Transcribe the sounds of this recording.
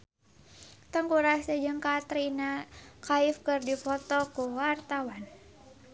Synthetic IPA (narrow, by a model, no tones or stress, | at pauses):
t̪əŋkuɾasəd͡ʒɨŋkat̪ɾinakaifkɨrdifɔt̪ɔkuwart̪awan